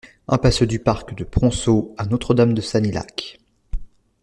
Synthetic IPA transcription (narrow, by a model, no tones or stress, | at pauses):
ɛ̃pasød̪ypaʁkd̪əpχɔ̃soɛ̃not̪χəd̪amd̪əsanila̰k